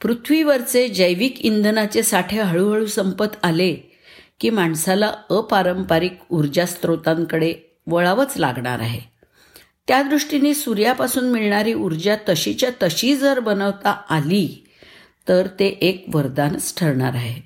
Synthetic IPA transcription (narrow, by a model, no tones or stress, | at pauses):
pɾut̪ʰʋiʋəɾt͡sed͡ʑəjʋiːkind̪ʱnat͡sesaʈʰeɦəɭuɦəɭuːsəmpət̪ʰale | kiːmaɳsalaəpaɾəmpaɾikuɾd͡ʑast̪ɾot̪aŋkəɽe | ʋəɭaʋət͡sla̰ɡɳa̰ɾa̰ɦe | t̪jad̪ɾuʂʈiniːsuɾjapasuːnmiɭɳaɾiːʔuɾd͡ʑat̪əɕit͡ɕjat̪əɕid͡zəɾbənəʋt̪aali | t̪əɾt̪eʔekʋəɾd̪ansʈʰəɾɳa̰ɾaɦe